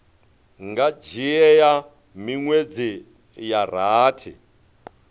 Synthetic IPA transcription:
ŋɡad͡ʒiɛja | miŋwed͡zi | jar̤aːtʰḭ

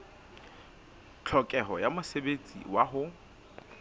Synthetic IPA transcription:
t͡ɬʰɔkʼɛɦɔjamʊsebet͡sʼḭwaɦʊ

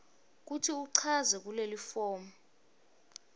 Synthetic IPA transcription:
k̬utʰiuǀʰazɛk̬ulelifɔːmɔ

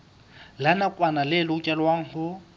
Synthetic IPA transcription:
lanakʼwanalɪlɪʊt͡ʃʼɛlwaŋ̩hʊ

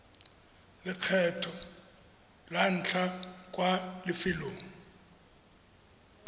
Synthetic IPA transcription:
lɪq͡χʰɛtʰɔ | lan̩t͡ɬʰak̬ʼwalɪfɪloːŋ̩

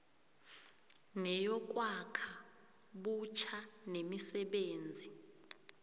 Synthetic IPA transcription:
nɛjɔk̬wakʰa | ɓut͡ʃʰanemisɛɓeːnd͡zʱi

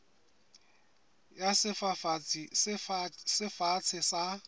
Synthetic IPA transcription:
jasɪfa | sɪfat͡sʰɪsa

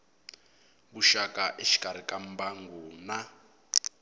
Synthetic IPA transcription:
βuʃakʼaʔeʃi̥kʼaɾ̤ikʼam̩baŋɡuna

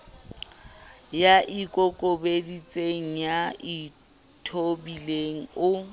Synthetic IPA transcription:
jaʔikʼɔkʼobedit͡sʼeŋ̩jai | tʰobileŋ̩ʊ

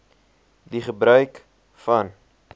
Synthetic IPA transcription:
diχəbɾœɥk | fɐn

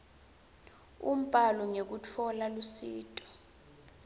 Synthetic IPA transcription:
um̩pʼalɔŋek̬ut͡fʰɔlalusiːtʼɔ̥

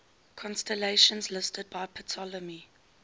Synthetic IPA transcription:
kʰɔ̃nstɛleɪʃə̃nzlɪstʰəd̚baɪpʰətʰɔləmi

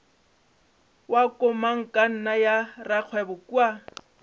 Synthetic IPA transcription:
wakʼʊmaŋ̩kʼan̩najaraq͡χʰwɛbʊkua

